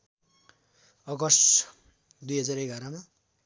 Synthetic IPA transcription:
ʌɡʌs | d̪ujɦʌd͡zaɾejɡʱʌɾama

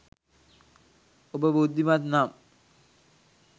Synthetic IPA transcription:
obəbud̪ʱːimat̪nam

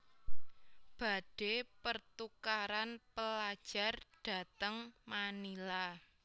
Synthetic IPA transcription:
b̥a̤ɖ̥epərt̪ukaɾanpəlad̥ʒ̥a̤rɖ̥ä̤t̪əŋmanila

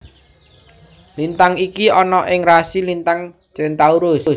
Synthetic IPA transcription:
lint̪aŋikiɔnɔʔɪŋrasilint̪aŋ | t͡ʃɪnt̪auɾʊs

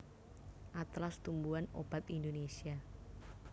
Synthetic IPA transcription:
ʔat̪last̪umbuano̰b̥at̪indonesia

